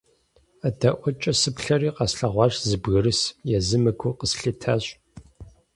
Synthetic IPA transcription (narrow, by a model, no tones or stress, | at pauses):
ɐdɐʔʷɔt͡ʃʼɐsɨpɬɐriːqɑsɬɐʁʷɑːɕzɨbɣɨɾɨsjɛzɨmɨkʷʰʊqəsɬitʰaːɕʼ